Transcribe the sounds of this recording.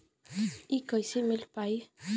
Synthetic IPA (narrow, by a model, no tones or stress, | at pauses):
ikɔjsemelpaj